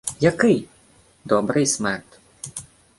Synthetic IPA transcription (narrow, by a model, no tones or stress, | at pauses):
jakɪj | d̪ɔbɾɨjsmɛrt̪